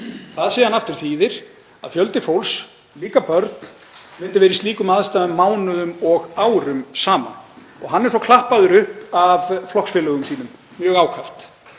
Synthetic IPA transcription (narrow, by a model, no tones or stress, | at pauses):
θaðsiːjhanaft̪ʏɾ̥θiːðɪɾ̥ | a̰ðfjœl̪t̪ɪfowls | liːkapœɾt̪n̥ | vɪnt̪ɪɾvɛːɾist̪liːkʏmaðst̪aːðʏmːaːwnʏðʏmɔɣaːwɾʏmsaːma̰n | ɔɣɦanːɛɾsɔkʰlahpaðʏɾʏhpavflɔhksfɛːlʏɣʏmsiːnʏmː | jœːɣaːwkʰaft̪